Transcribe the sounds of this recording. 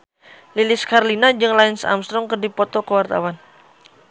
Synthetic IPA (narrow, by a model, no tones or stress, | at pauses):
lilɪskarlinad͡ʒɨŋlaɪnsa̰mst̪ɾɔŋkərdipɔt̪ɔkəwart̪a̰wan